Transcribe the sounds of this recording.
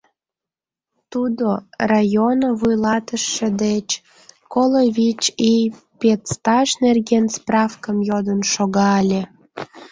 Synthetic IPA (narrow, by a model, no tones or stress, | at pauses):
t̪ud̪orajonəβujlɑt̪əʃːĕd̪et͡ɕ | koloβʲit͡ɕi | pet̪st̪ɑʃnerɣensprɑfkəmjod̪ənʃoɣɑːlʲe